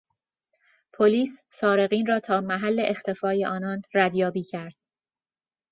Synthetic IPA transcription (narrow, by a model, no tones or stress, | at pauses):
pʰoliːssɒːɾe̞ɣiːnrɒːt̪ʰɒːmæɦælːe̞ʔext̪ʰe̞fɒːjeʔɒːnɒːnræd̪jɒːbiːcʰæɾd̪̥̚